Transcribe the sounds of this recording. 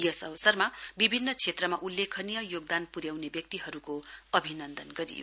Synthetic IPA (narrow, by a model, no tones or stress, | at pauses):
jʌsʌwʌsʌrmabibʱinːʌt͡sʰet̪rʌmaʔulːekʰʌnijʌjoɡ̚d̪anpuɾjawnebjʌk̚t̪iɦʌɾukoʌbʱinʌnd̪ʌnɡʌɾḭjo̰